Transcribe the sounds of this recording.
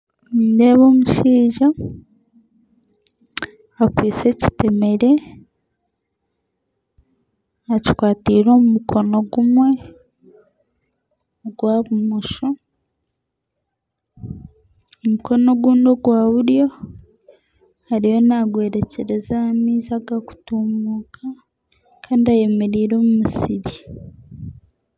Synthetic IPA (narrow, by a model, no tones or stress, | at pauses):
indeːβo̞ːmuʃiːʒa | akwiːt͡se̞ci̥teme̞ɾe̞ | aci̥kwaːtiɾo̞ːmumukʰo̞no̞ɡumwe̞ | ɡwaːβumuʃo | omuko̞no̞ɡuːndo̞ɡwaːβuɾjo̞ | haɾijo̞naɡwe̞ːɾe̞ce̞ɾe̞zahamiːzaɡaku̥tumuːkʰa | kʰaːndiaje̞me̞ɾiːɾo̞ːmumusiβi